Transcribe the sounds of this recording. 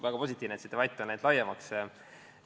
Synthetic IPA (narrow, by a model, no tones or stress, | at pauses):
væɡ̥ɑpo̞s̬ʲit̪ˑːiːvnet̪si̥t̪ːeɑjt̪ːˑɑnæjd̪lɑjɑmɑks